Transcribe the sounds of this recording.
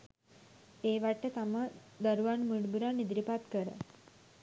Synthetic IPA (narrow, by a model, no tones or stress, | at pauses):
eːʋaʈːət̪aməd̪əɾuʋanmuɖbuɾanːid̪ɾipat̪kəɾə̰